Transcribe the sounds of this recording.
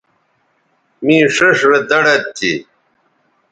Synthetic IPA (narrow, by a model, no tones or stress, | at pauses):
mĩːʂɐʂɾed̪ɐɽɐt̪ːḭ